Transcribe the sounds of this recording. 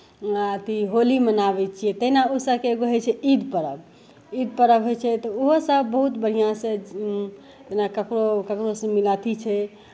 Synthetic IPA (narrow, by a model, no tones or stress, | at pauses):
t̪iɦolimənabɛt͡ʃʰijɛt̪əɦinaosəbkeːɡoɦɛt͡ʃʰɛid̪pəɾəb | id̪̚pəɾəbɦojt͡ʃʰɛt̪ɔoɦosəbbəɦut̪bəɽ̤ijãsẽ | d͡ʒenakəkɾokəkɾosə̃milat̪it͡ʃʰɛ